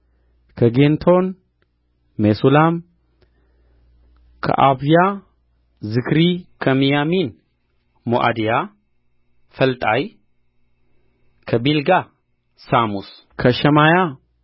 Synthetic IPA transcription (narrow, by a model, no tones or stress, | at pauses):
kʰəɡent̪ʰo̞n | mesulam | kʰɐ̰ʔaβja | zɨkɾikʰɐmijamin | moʔa̰d̪ija | fəlt̪ʼaj | kʰɐbilɡa | samus | kʰɐʃɐmaja